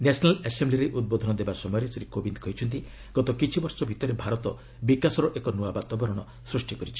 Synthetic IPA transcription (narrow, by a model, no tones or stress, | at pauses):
nesɔnalesembliɾeʔud̪̚bod̪ʱɔnɔd̪ebasɔmɔjɔɾesɔɾikobind̪kɔjt͡ʃʰɔnt̪i | ɡ̥ɔt̪ɔkit͡ʃʰibɔɾsɔbʱit̪ɔɾebʱaɾɔt̪ɔ | bikasɔɾɔʔekɔnuabat̪ɔbɔɾɔɽ̃ɔ | sɾusʈikɔɾit͡ʃʰi̥